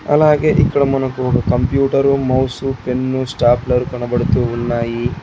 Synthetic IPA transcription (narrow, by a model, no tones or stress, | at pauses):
ɐ̰laːɡeʔikːɐɽɐmɐnɐkːuɡɐkɐmpjuːʈɐɾumɐwsupe̞nːusʈaːplɐɾukɐɳɐbɐɽut̪uunːaːji